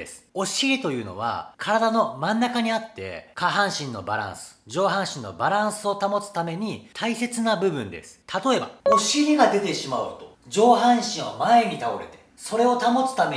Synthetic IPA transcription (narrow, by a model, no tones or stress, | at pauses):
esɨ̥o̞ɕiɾʲit̪o̞jɯ̟ːno̞̰β̞a̰kʰaɾad̪ano̞mãnːakaɲ̟iat̪ːe̞̰kaɦãɰ̃ɕĩnːo̞̰baɾã̰ɰ̃sɨ̥d͡ʑo̞ːɦãɰ̃ɕĩnːo̞̰baɾãɰ̃sɨo̞t̪amo̞t͡sɨ̥t̪ame̞ɲ̟it̪ʰaise̞t͡sɨnabɯ̟bɯ̟̃nd̪ḛsɨ̥t̪ʰat̪o̞e̞bao̞ɕiɾʲiɡad̪e̞t̪e̞ɕimaɯ̟t̪o̞̥ | d͡ʑo̞ːɦãɰ̃ɕĩɰ̃omae̞ɲ̟it̪aoɾe̞̰t̪e̞̥ | so̞ɾe̞o̞t̪amo̞t͡sɨ̥t̪ame